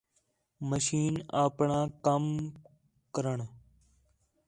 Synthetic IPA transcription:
məʃiːnaːpɳãːkəm | kəɾəɳ

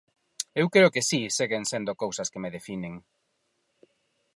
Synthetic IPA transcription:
ewkɾeɾokesiseɣeŋsend̪okowsɐskemeðefineŋ

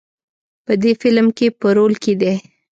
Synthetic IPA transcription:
pəd̪efɪlmkepəɾolked̪e

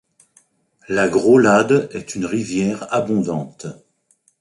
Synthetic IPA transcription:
laɡʁolad̪ɛt̪ynʁivjɛʁabɔ̃d̪ɑ̃t̪

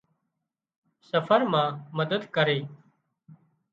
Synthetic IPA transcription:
səfʰəɾmãːməd̪əd̪kəɾeː

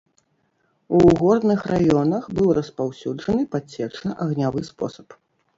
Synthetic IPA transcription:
uɣɔrd̪nɨxrajɔnɐxbɨwrɐspawsʲud͡ʐɐnɨpat͡sʲːɛt͡ʂnɐʔɐɣnʲavɨspɔ̰sɐ̥p

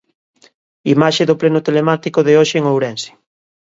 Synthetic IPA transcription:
imaʃeðoplenʊt̪elemat̪ikoðeoʃeːŋowɾɛnse̥

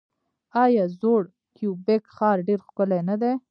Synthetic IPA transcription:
ɑjɑzoɽ | kjubekxɑɾɖeɾxkəlanad̪e

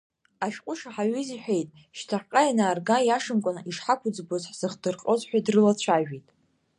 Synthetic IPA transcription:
aʃᶣqʷʼʊʂaħaɥiziħʷᶣe̞jtʼ | ʃtʰaħqʼajnaːrɡajaʂɨmkʷʼanɨʔiʂħakʷʰʊd͡zbozħz̥ɨχdɨrqʼozħʷᶣadrɨlat͡ɕʷʰaʒᶣitʼ

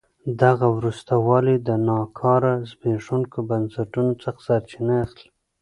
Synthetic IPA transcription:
d̪aɣawɾust̪awɑlid̪ənɑkʰɑɾazbeʂunkobansaʈunot͡səxsaɾt͡ʃinaaxli

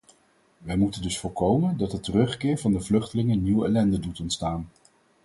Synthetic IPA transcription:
ʋɛjmutəndɵsfʊːɹkowməndɑtdətərɵχkɪːɹvɑndəvlɵχtəlɪŋənːiwɛlɛndədutɔntstaːn

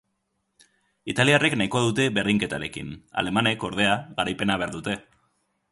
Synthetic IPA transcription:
it̪aliareknajko̞ðut̪e̞βe̞rðiŋke̞t̪aɾe̞kḭna̰le̞mane̞ko̞ɾð̞e̞aɣaɾajpe̞naβ̞eaɾðut̪e̞

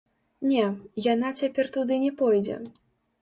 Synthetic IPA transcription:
nʲɛjanat͡sʲapʲɛrt̪ud̪ɨnʲɛpɔjd͡zʲɛ̰

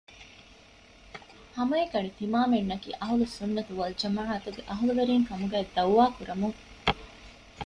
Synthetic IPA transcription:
hɐmɐekɐɳit̪imaːmenːɐkḭːʔɐɦulusunːɐt̪uʋɐld͡ʒɐmaːʕɐt̪uɡeʔɐɦuluʋeɾiːŋkɐmuɡæːd̪ɐwʋaːkuɾɐmuŋ

